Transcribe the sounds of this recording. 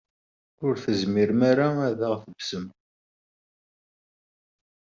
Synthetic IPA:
ʊɾθəzmiɾmaɾaæðaʁθəbsəm

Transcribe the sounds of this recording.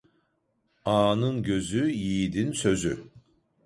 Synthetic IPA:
ɑːnɯnɟø̞zyjiːd̪insø̞zy

